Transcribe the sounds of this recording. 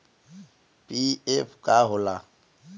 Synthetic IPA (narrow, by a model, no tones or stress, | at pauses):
pʼiɛpʰkʼaɦʊla